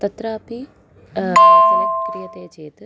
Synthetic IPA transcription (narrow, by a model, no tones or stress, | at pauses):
t̪ɐt̪ɾɐɐpi | ɐɐkɾijɐt̪eːt͡ʃeːt̪